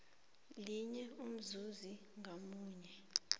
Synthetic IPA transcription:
liɲɛum̩zuzi | ŋʱamuːɲɛ

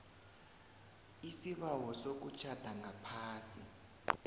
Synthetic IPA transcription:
isiβawɔsok̬ut͡ʃʰad̥ʱaŋʱapʰaːsi

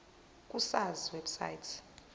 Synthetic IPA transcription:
k̬ʼusaziwebsa̰jtʰ

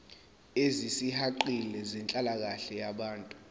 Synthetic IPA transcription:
ezisihaǃilɛzɛnt͡ɬʼalak̬aɬɛjaɓaːntʼu

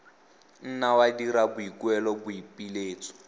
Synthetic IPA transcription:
n̩nawadiɾabuikwɛlɔbuipileːt͡sʰʼɔ̥

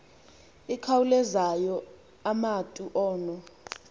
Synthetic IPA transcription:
ikʰawulɛzajɔ | amatʼuʔɔːnɔ

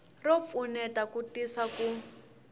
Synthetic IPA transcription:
rɔp̪funɛtakutisaku

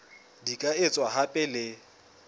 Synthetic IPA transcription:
dikʼaet͡sʼwaɦapʼɪlɪ

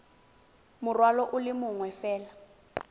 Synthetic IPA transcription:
mʊrwalɔʔʊlɪmʊŋwɛfɛːla

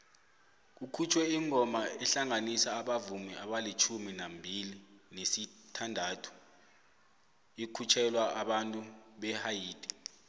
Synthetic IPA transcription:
k̬ukʰut͡ʃʰwɛiŋɔmaɛɬaŋanisaːɓavumiaɓalit͡ʃʰuminambʱilinesitʰandʱatʰu̥ | ikʰut͡ʃʰɛlwaʔaɓantʼuɓɛhajiːd̥ʱʼi

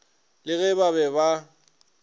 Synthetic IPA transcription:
lɪɣɛbaβɛba

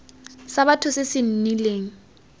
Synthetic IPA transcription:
saβatʰʊsɪsɪn̩nileːŋ̩

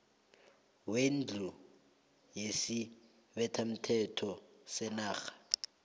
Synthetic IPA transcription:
wen̩d͡ɮʱu | jesɪ | bɛtʰam̩tʰɛtʰɔsɛnaːɣḁ

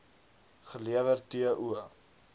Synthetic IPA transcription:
χəliəvərtiəʔuə

